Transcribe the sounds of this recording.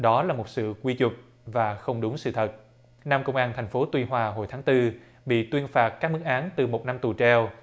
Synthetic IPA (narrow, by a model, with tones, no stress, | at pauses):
ɗɔ˨˦laː˨˩mo˨˩t̚sɨ̰˧˨kwi˧t͡ɕʊ˨˩k͡p̚ | vaː˨˩xə˧wŋ͡mɗʊ˨˦ŋ͡msɨ̰˧˨t̪ʰə˨˩t̚ | naː˧mkə˧wŋ͡mʔaː˧nt̪ʰɛ˨˩ŋ̟fo˨˦t̪wi˧ɦwaː˧ɦo˨˩jt̪ʰːŋt̪ɨ˧ | ɓḭ˧˨t̪wi˧ənfaː˨˩t̚kːa˦˥k̚mɨ˦˥k̚ʔaː˨˦nt̪ɨ˨˩mo˨˩na˧mt̪u˨˩t͡ɕɛ˧w